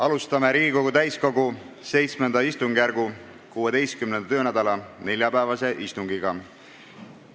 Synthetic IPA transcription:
ɑlust̪ɑme̞ɾiːɡiko̞ɡut̪æjsko̞ɡu | se̞jt̪smend̪ɑist̪uŋɡ̥jærɡu | kuːe̞d̪̥e̞jst̪kymnenɑt̪øːnæd̪̥ɑlɑne̞lʲjɑpæevɑse̞ʔist̪uŋɡiɡ̥ɑ

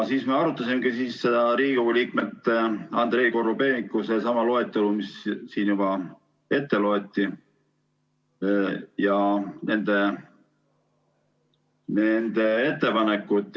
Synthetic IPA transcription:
siːsmeɑɾut̪ːˑɑsimeɡ̥isiːsːe̞d̪̥ɑɾiːikoɡuliːkmet̪ːˑɑnd̪̥ɾe̞jkorube̞nikːˑuse̞sɑmɑloet̪ːˑelumissiːnjub̥ɑ | e̞t̪ːe̞lo̞et̪ːi | jɑne̞nd̪̥e̞ | ne̞nd̪̥e̞e̞t̪ːe̞pɑne̞kːˑut̪ˑː

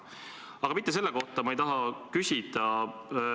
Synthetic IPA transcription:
ɑɡɑmit̪ːˑe̞s̬e̞lːe̞ko̞ht̪ɑmɑejt̪ɑɦɑkysʲid̪̥ɑ

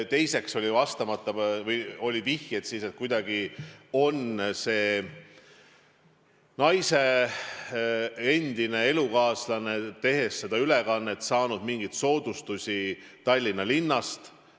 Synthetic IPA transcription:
t̪e̞jse̞kso̞lʲivɑst̪ɑmɑt̪ˑːɑvɤjo̞lʲivihjet̪sise̞t̪̚kujd̪ɑɡ̥io̞nse̞ː | nɑjse̞ | end̪ine̞e̞lukɑːslɑne̞t̪e̞ɦe̞sːe̞d̪̥ɑylekɑnːet̪sɑːnud̪miŋɡ̥ijt̪so̞ːd̪̥ust̪usʲi | t̪ɑlʲːinːɑlinːɑst̪

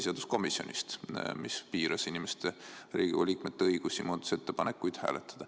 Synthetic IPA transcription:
sʲeɑd̪usko̞misjo̞̰nʲḭst̪mispiːɾɑsinʲimest̪eriːɡ̥iɑ̰liːkme̞t̪ːeɤjɡ̥usʲimuːt̪u̥se̞t̪ːepɑnekːˑujd̪̥hæ̰ːlet̪ˑːɑ̥d̪̥ɑ

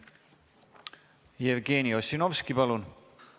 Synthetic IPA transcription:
jevɡe̞ːniosino̞vskipɑlun

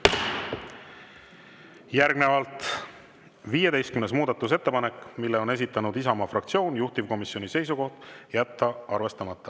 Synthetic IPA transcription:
jæɾɡne̞vɑlt̪ˑ | viːje̞d̪e̞jst̪kymnesmuːd̪ɑt̪ːˑus̬e̞t̪ːe̞pɑne̞kːmilːeo̞ne̞sit̪ːˑɑnud̪̥isɑmɑfrɑkt̪sio̞ːnjuht̪ivko̞misjo̞nise̞jsuko̞ht̪jæt̪ːɑɑrve̞st̪ɑmɑt̪ˑːɑ

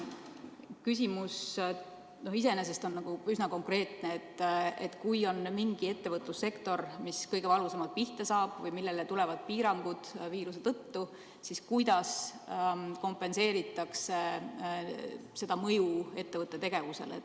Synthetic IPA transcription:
kys̬ʲimus | no̞his̬ene̞s̬e̞st̪o̞nːɑɡ̥uysnɑko̞ŋkre̞ːt̪neːt̪ːet̪ːˑkujo̞nmiŋɡ̥ie̞t̪ːe̞vɤt̪ˑlusːe̞kt̪o̞rmiskɤjɡ̥e̞vɑlɡusɑmɑt̪̚piht̪esɑːb̥vɤjmilːe̞let̪ule̞vɑd̪̥̚piːɾɑŋɡ̥ud̪̥viːɾuse̞t̪ɤ̞t̪ːu | siskujd̪̥ɑs | ko̞mpːˑe̞nse̞ːɾit̪ːˑɑkse̞ | se̞d̪̥ɑmɤjue̞t̪ːe̞vɤt̪ːe̞t̪e̞ɡ̥e̞vuse̞̰lḛt̪

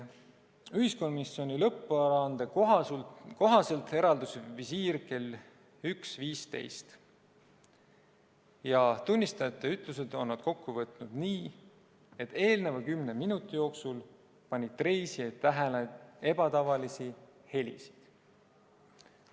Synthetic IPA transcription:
yhisko̞nmisio̞nʲilɤpːuɑɾɑɑnd̪e | ko̞ɦɑse̞lt̪e̞ɾɑld̪usvisiːɾke̞l | yksviːst̪e̞̰jst̪ | jɑt̪unʲːist̪ɑjɑt̪ːˑeyt̪ˑluse̞d̪̥o̞nːɑd̪̥ko̞kːuvɤt̪ˑnud̪̥niː | e̞t̪ːe̞ːlnevɑkymneminut̪ːˑijo̞ːksul | pɑnʲːid̪t̪ːre̞jsiet̪ːæɦelee̞b̥ɑt̪ɑvɑlisi | he̞lʲḭsi̥d̪̥

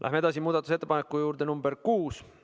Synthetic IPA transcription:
ʔæ̰ɦmee̞d̪ɑs̬imuːd̪ɑt̪ːˑus̬et̪ːepɑnekːˑujuːɾd̪e̞numberkuːs

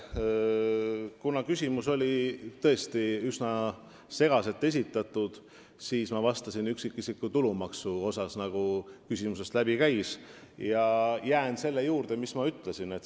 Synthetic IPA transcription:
kunɑkysʲimuso̞lʲit̪ɤ̞e̞st̪iysnɑ | se̞ɡ̥ɑse̞t̪ːˑe̞s̬ʲit̪ːˑɑt̪ːˑud̪̥ | siːsmɑvɑst̪ɑsinyksikːˑisikːut̪ulumɑksuo̞sɑsnɑɡ̥ukysʲimuse̞st̪læbikæjsjɑjæːnse̞lːe̞juːɾd̪̥e̞mismɑyt̪ːˑle̞sine̞t̪ː

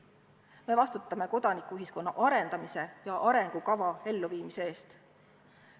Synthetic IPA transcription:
me̞vɑst̪ut̪ːˑɑme̞ko̞d̪̥ɑnikːuyɦisko̞nːɑʔɑɾe̞nd̪̥ɑmise̞jɑʔɑɾe̞ŋɡ̥ukɑvɑe̞lːuviːmise̞eːst̪

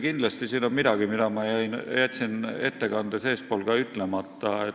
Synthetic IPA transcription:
kind̪̥lɑst̪isiːnonmid̪̥ɑɡ̥imid̪ɑmɑjæjnjæt̪ʲsine̞t̪ːe̞kɑnd̪̥ese̞ːspo̞ːlɡ̥ɑyt̪ːˑle̞mɑt̪ːɑe

